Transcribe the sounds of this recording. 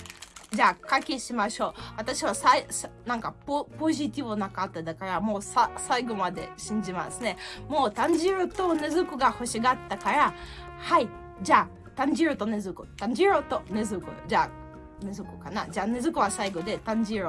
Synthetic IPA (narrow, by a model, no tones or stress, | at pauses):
d͡ʑaːkakʲeɕimaɕo̞ːβat̪aɕiβasaisnãŋkapopo̞ʑit̪ʲiβɯnakat̪ːad̪akaɾamo̞ːsasaiɡo̞mad̪e̞̰ɕĩɲ̟d͡ʑima̰sɨne̞mo̞ːt̪ãɲd͡ʑiɾot̪o̞ne̞zɨkɯ̟ɡaho̞ɕiɡat̪ːakaɾa | hai | d͡ʑaː | t̪ãɲ̟d͡ʑiɾot̪o̞ne̞zɨkɯ̟t̪ãɲ̟d͡ʑiɾot̪o̞ne̞zɨkɯ̟̰d͡ʑaː | ne̞zɨkɯ̟kanad͡ʑaːne̞zɨkɯ̟βasaiɡo̞d̪e̞t̪ãɲ̟d͡ʑiɾo